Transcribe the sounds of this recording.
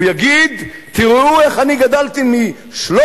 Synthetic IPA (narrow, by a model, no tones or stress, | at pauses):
jaɡid̪t̪iʁueχaniɡad̪alt̪imi | ʃlo